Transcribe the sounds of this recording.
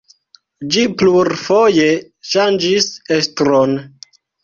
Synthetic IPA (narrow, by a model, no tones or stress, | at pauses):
d͡ʒipluɾfo̞je̞ | ʃand͡ʒisestɾon